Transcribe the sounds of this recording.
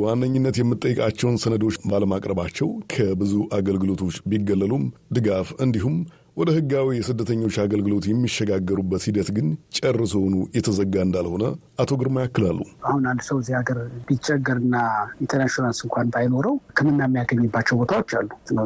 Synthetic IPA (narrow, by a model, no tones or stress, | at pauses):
wanːəɲːɨnːət̪jɛmːɨt̪ʼːəjːɛkʼat͡ʃːɛwnsənəd̪o̞t͡ʃːbaləmakʼɾəβat͡ʃːɛwkʰəbɨzuʔaɡəlɡɨlo̞t̪ʰo̞t͡ʃːbiɡːəlːəlumd̪ɨɡafɨnd̪iɦum | wɔd̪əhɨɡːawijɛsɨd̪ːət̪ʰəɲːo̞t͡ʃːaɡəlɡɨlo̞t̪jɛmːiʃːɛɡaɡːəɾubːət̪hid̪ət̪ɡɨnt͡ʃʼɛrːəsohnujɛt̪ʰəzəɡːaɨnd̪alho̞nəʔat̪ʰo̞ɡɨɾmajakːɨlalːuahunalːsəwzihaɡəɾb̥it͡ʃːɛɡːəɾɨnːaint̪ʰəɾnaʃonalsɨŋkʷant̪ajno̞ɾəwkʰəmɨnːamːijaɡəɲːɨbːat͡ʃːɛwbo̞t̪ʰawot͡ʃːalːunə